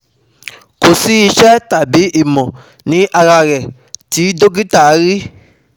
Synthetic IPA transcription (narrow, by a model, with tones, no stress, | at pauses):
ko˨si˨˦i˧ʃɛ˦ta˨bi˨˦ʔi˦˨mɔ̃˨ | nĩ˨˦ʔa˧ɾa˧ɾɛ˨ | ti˨˦do˦ɡi˦ta˦˨˦ɾi˦